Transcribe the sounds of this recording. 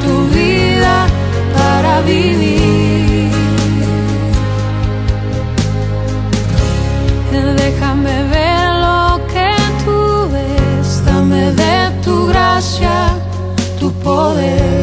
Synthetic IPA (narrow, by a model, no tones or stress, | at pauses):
t̪uβiða | paɾaβiβi | eðexameβeɾloket̪ʰuβest̪ameðet̪uɣɾasja | t̪upoðeɾ